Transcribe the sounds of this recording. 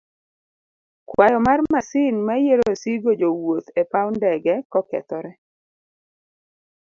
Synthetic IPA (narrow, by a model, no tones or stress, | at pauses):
kwajɔmarmasɪnmajeɾosiɡod͡ʒowot̪epawndɛɡɛkɔkɛ̰t̪ɔɾɛ